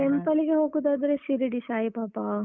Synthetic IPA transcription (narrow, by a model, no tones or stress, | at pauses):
empɐliɡeɦoːɡud̪aːd̪ɐɾeʃiɾiɖiʃaːjipaːpa